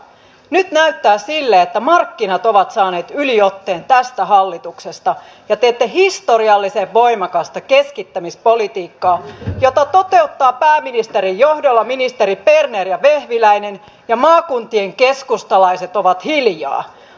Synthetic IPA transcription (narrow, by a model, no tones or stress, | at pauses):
nyt̪næyt̪ːæːsilːeet̪ːæmɑrkːinɑt̪oʋɑt̪sɑːne̞ːt̪yliot̪ːeːnt̪æst̪æɦɑlːit̪uksest̪ɑ | jɑt̪eːt̪ːehist̪oriɑlːiseʋʋoimɑkɑst̪ɑkeskit̪ːæmispolit̪iːkːɑːjot̪ɑt̪ot̪e̞ut̪ːɑːpæːminist̪eɾijjohdolːɑminist̪eɾipernerjɑʋehʋilæinen | jɑmɑːkunt̪ieŋkeskust̪ɑlɑiset̪oʋɑt̪hiljɑ̰ː